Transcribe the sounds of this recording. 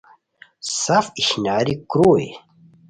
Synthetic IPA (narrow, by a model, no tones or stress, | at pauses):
safiɕnaːɾikɾuḛ